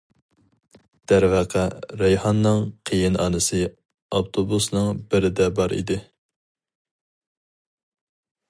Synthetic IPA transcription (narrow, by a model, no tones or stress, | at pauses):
d̪̥æɾvæqʰæɾɛjhɑnːɨŋqʰejinɑ̰ːnɨsɨ | ɑft̪ʰobusnɨŋbɪɾɪd̪ɛbɑɾḭd̪ɪ